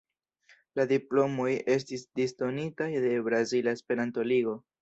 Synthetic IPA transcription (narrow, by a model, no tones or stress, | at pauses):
ladiplo̞mo̞je̞s̬tisdisto̞nitajde̞bɾazilaespe̞ɾanto̞liɡo̞